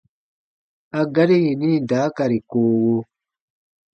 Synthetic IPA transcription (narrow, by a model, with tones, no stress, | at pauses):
a˨ɡa˦ɾi˦ji˨nĩ˦˨daː˨˦ka˨ɾi˨koː˦wo˦